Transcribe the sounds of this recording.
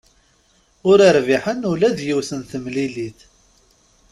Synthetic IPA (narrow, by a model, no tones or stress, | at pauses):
ʊɾəɾviħənʊlæðjiwsənθəmliliθ